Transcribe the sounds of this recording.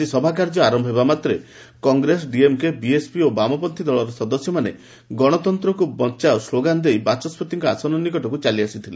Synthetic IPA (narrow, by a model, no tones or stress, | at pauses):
isɔbʱak̬aɾd͡ʒɔaɾɔmbʱɦebamat̪ɾe | kɔŋɡɾesɔɖiemkebiespiobamɔpɔnt̪ʰid̪ɔɭɔɾɔsɔd̪ɔsjɔmane | ɡɔɽ̃ɔt̪ɔnt̪ɾɔkubɔnt͡ʃaosloɡand̪ejbat͡ʃɔspʰɔt̪iŋkɔasɔnɔnikɔʈɔkut͡ʃaliasit̪ʰile